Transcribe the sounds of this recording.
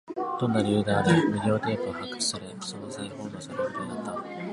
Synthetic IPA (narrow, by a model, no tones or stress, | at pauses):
d̪̥õ̞nːaɾʲɯ̟ːd̪aːd̪emɯ̟ɡʲo̞ːd̪e̞ːt̪oːhakːɯ̥t͡ɕi̥saɾesonzaiho̞ːd̪osaɾɯmod̪enat̪ːa